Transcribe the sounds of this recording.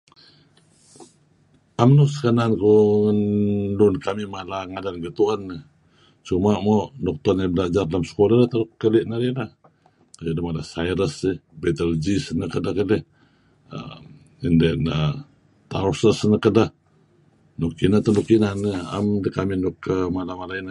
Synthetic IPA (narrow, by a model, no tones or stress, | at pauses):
amnusə̥kanankuənlunkamimalaŋadanɡət̪uʔənːə | t͡ʃumaʔmɔʔnɔk̚t̪ɔnabəlad͡ʒardalamsə̥koladət̪əlukːəliʔnəlilah | ajudəmalasajɾəsibet̪əld͡ʒisnəkədahkələ | ə̰ | indɛnə | t̪a̰usəsnəkədəh | nukinat̪əlukinanəa̰mdəkaminukəmalamalainə